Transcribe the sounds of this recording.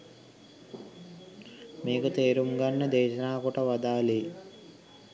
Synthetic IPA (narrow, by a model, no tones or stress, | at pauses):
meːkut̪eːɾumɡɐnːed̪eːɕɐnaːkuʈɐʋɐd̪aːleː